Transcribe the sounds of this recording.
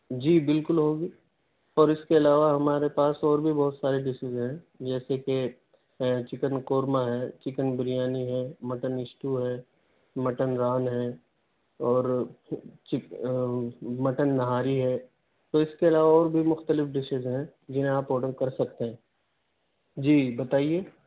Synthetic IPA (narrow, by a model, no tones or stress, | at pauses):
d͡ʒiːbɪlkʊlɦoːɡiː | ɔːɾɪskeɐlaːʋaɦɐmaːɾepaːsɔːɾbʱibɔɦʊt̪saːɾeɖɪʃɪzɦɛ̃ | d͡ʒɛːseke | t͡ʃɪkənkoːɾmaɦɛːt͡ʃɪkənbɪɾijaːniɦɛːmɐʈənɪsʈuɦɛː | mɐʈənɾaːnɦɛ | ɔːɾ | t͡ʃɪ | mɐʈənːɐɦaːɾiɦɛː | t̪oɪskeɐlaːʋaɔːɾbʱimʊxt̪əlɪfɖɪʃɪzɦɛ̃ | d͡ʒɪnɦẽaːpoːʈəɾkɐɾsɐkt̪eɦɛ̃ː | d͡ʒiːbɐt̪aːieː